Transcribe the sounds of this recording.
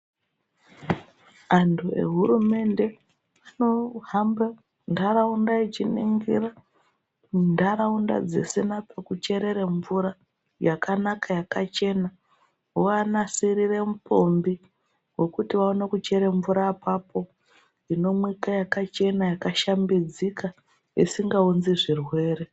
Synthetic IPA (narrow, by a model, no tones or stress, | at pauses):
antʰue̞̰ɦuɾume̞nde̞ | ano̞ɦamba | ndaɾaundait͡ʃinḭŋɡḭɾa | ndaɾaunda̰d͡ze̞̰senapekut͡ʃe̞ɾe̞ɾeɱvuɾa | jakʰanakajakat͡ʃe̞na | uanasiɾire̞mupombi | we̞kutiʋaonekut͡ʃe̞ɾeɱvuɾaːpapʰo̞ | ino̞mwikajakat͡ʃe̞najakaʃambid͡zika | ḭsiŋɡaunziʐirwe̞ːre